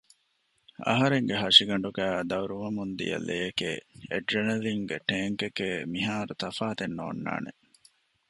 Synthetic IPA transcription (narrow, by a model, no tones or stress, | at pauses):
ɐ̰ɦɐɾeŋɡeɦɐʂiɡɐɳ̆ɖuɡæːd̪ɐwɾuʋɐmund̪ḭjɐ̰lːeːkeːeɖɾenɐɾiŋɡeʈeːŋkekemiɦaːɾut̪ɐfaːt̪enːo̰ːnːa̰ːnḛ